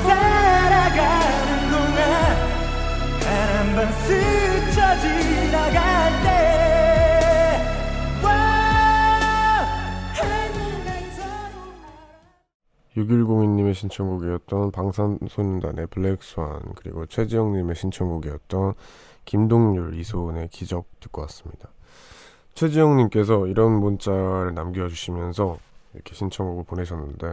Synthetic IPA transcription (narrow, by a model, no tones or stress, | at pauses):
saɾaɡa | nɯnd̪oŋan | anambansɯt͡ɕʰʌd͡ʑi | naɡat̪e | kwa | haninesʰʌ | juɡiɭɡoŋiɲːime̞ɕʰint͡ɕʰʌŋɡuɡijʌt̚t͈ʌnpaŋsʰansʰoɲunda̰nʔe̞pɯɭːek̚s͈ua̰nkɯɾḭɡot͡ɕʰwe̞d͡ʑijʌŋɲime̞ɕʰint͡ɕʰʌŋɡuɡijʌt̚t͈ʌn | kimdoŋɲuɭisʰone̞kid͡ʑʌk̚t͈ɯ̥k͈ʌwas͈ɯ̥mɲid̥a | t͡ɕʰwe̞d͡ʑijʌŋɲimk͈e̞sʰʌiɾʌnmunt͡ɕ͈aɾɯɭnamɡiʌd͡ʑuɕʰimjʌnsʰʌiɾʌ̰kʰe̞ɕʰint͡ɕʰʌŋɡuɡɯɭpone̞ɕʰʌnːɯnde̞